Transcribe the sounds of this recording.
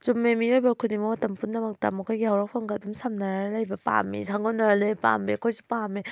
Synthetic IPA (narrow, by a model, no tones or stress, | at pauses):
zumːemijɔjbakʰɯnimawatampunːamak̚tamɔkʰɔjɡehawɾak̚pʰaŋɡadɯmsamnaɾalajbapa̰mḭsʰaŋɡɔnaɾalɯjpa̰mekʰɔjsupame